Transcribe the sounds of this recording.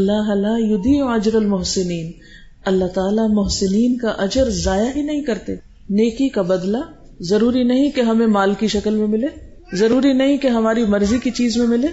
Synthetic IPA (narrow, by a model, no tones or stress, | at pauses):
ɐlːaːɦlaːjʊd̪iːɐd͡ʒɾɐlmʊɦsɪniːn | ɐlːaɦt̪aːlamʊɦsɪniːnkaʔɐd͡ʒəɾzaːjaɦinɐɦĩkɐɾt̪eː | neːkikabɐd̪la | zɐɾuːɾinɐɦĩkeɦɐmẽmaːlkiʃɐkəlmẽmɪleː | zɐɾuːɾinɐɦĩkeɦɐmaːɾimɐɾzikit͡ʃiːzmẽmɪleː